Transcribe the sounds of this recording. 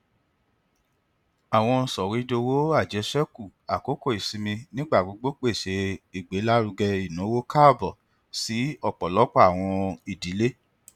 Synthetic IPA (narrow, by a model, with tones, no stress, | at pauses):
a˨w̃ɔ̃˧sɔ˨ɾi˨˦do˧wo˦a˦˨d͡ʒɛ˨˧˦sɛ˦ku˦˨a˨ko˨˦ko˦˨i˨si˧mĩ˧nĩ˦ɡ͡ba˦˨ɡ͡bo˨˧ɡ͡bo˦k͡pe˦˨ʃe˨˦i˨ɡ͡be˨˦la˦ɾu˧ɡɛ˧i˦˨nũ˨˦wo˦ka˦˨bɔ˨ | si˨˦ɔ˦˨k͡pɔ˨lɔ˨˦k͡pɔ˦a˨w̃ɔ̃˧i˨di˨˦le˦